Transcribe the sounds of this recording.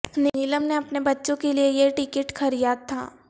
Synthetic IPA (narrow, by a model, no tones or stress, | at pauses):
nnɪləmneɐpnebɐtːʃõkeliejeʈɪkɪʈxʰɐɾijat̪ʰa̰ː